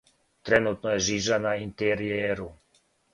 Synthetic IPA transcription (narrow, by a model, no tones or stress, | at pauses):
t̪ɾɛnut̪nɔjɛʒiːʒanaint̪ɛɾiɛɾu